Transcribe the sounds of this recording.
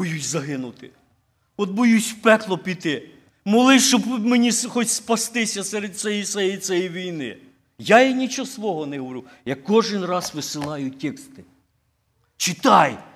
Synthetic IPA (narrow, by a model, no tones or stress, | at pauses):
bɔjusʲzɐɦɪnʊt̪ɪ | ɔd̪̚bɔjusʲwpɛklˠɔpʲit̪ɪ | mɔlˠɪʃɔbmenʲisxɔt͡ʃʲspɐst̪ɪsʲɐsɛɾed̪̚t̪sɛjit̪sɛjisɛjiʋʲijnɪ̰ | jajinʲit͡ʃɔsʋɔɦɔnɛɦɔʋɔɾu | jɐkkːɔʒɪnrɑzʋɪsɪlˠɑjʊtʲɛkst̪ɪ̥ | t͡ʃɪt̪ɑj